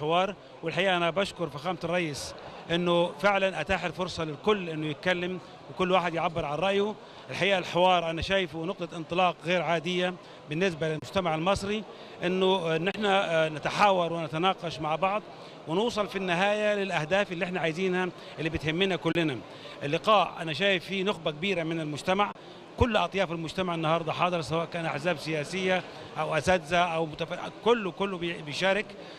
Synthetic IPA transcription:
ħɪwɑːɾˤ | wɪlħaʔiːʔanabaʃkʊɾˤfixaːmt̪rˤːɑjːɪsʔɪnːʊfɪʕlanʔat̪aːħɪlfʊɾsˤɑlɪlkʊlːʔɪnːʊjɪt̪̚kalːɪm | wɪkʊlːwaːħɪd̪jʕabːɪɾˤʕanɾˤɑʔjʊ | ɪlħaʔiːʔalħɪwɑːɾˤʔanaʃaːjfunʊq̚t̪ˤɑʔɪnt̪ˤɨlɑːqɣeːɾʕaːd̪ɪjːa | bɪnːɪs̬balɪlmʊd͡ʒt̪amaʕalmɑsˤɾi | ʔɪnːʊɪnːɪħnanɪt̪aħaːwɑɾˤwɪnat̪anɑːqɑʃmaʕbɑʕd̪ˤ | wɪnuːsˤɑlfinːɪɦaːjalɪlʔahd̪aːfɪlːiʔɪħnaʕaːjziːnha | ʔɪlːibɪt̪hɪmːɪnakʊlːɪna | ʔɪlːɪqɑːʕʔʔa̰naʃ̬aːjɪfːinʊxbakabiːɾamɪnɪlmʊd͡ʒt̪amaʕ | kʊlːʔɑt̪ˤjɑːfalmʊd͡ʒt̪amaʕɪnːɑhɑɾˤd̪ˤɑħɑːd̪ˤɨɾˤsawaːʔkaːnʔaħzaːbsɪjaːsɪjːa | ʔawʔasad̪zaʔawmʊt̪akʊlːkʊlːbɪjʃaːɾɪk

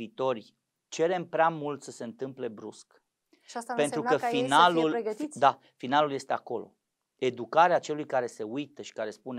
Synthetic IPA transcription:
iːt̪o̞rʲ | t͡ʃe̞ɾe̞mpɾeamult̪səse̞ɨnt̪ɨmple̞bɾusk | aspe̞nt̪ɾukəinaluleɡəid̪a | finalulje̞st̪e̞ako̞lo̞̰ | e̞d̪ukaɾeat͡ʃe̞lujkaɾe̞se̞ujt̪əʃi̥kaɾe̞spune

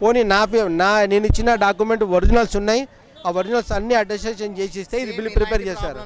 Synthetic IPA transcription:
poːninaːpenaːneːnit͡ʃːinaɖaːk̬umeɳʈʋɐɾd͡ʒɐnɐlsunːaːji | aːʋɐɾd͡ʒɐnɐlsɐnːiːɐɖɐsʈeːʃɐnt͡ʃeːseːst̪e̞ːid̪ibilipɾipeːɾt͡ʃeːsaːɾu

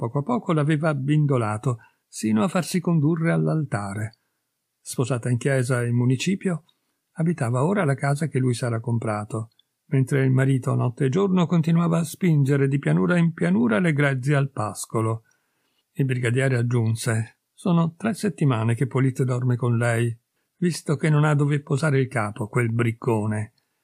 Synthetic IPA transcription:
pɔːkoapːɔːkolaveːvabind̪olaːt̪o | siːnoafːarsikond̪urːealːalt̪aːɾe | spozaːt̪aiŋk̟jɛːzailmunit͡ʃiːpjo | abit̪aːvaoːɾalakaːzakelːujsɛːɾakompɾaːt̪o | ment̪ɾeilmaɾiːt̪oa̰nɔt̪ːeed͡ʒornokont̪inwaːvaːspind͡ʒeɾed̪ipjanuːɾaimpjanuːɾaleɡɾɛd̪zealpaskolo | ilbɾiɡad̪jɛːɾead͡ʒːunse | soːnot̪ɾɛsːet̪ːimaːnekepːolit̪ːd̪ɔrmekonlɛj | vist̪okenːonad̪ːovepːozaːɾeilkaːpokwelbɾikʰːoːne

